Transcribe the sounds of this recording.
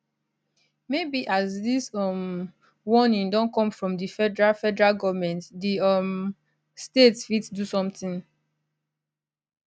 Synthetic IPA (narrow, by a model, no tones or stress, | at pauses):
mebiʔazðisɔm | wɔnĩŋdɔ̃nkɔ̃mfɹɔ̃mdifɛdɛɹafɛdɛɹaɡɔvmɛ̃ntdiɔm | stetfitdusɔ̃mtĩŋ